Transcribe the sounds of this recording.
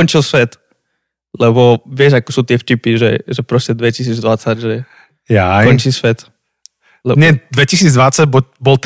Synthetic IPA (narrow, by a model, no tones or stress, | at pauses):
ɔɲt͡ʃilsʋɛt̪ | lɛbɔʋɪɛʒakɔsuːt̪ɪɛfcipiʒɛ̰ʒɛpɾɔscɛd̪ʋɛcis̬iːd͡zd̪ʋat͡saɟʒɛ | jaɔnt͡ʃisʋɛt̪ | lɛɲɛd̪ʋɛcisiːd͡zd̪ʋat͡saɟbɔbɔlt̪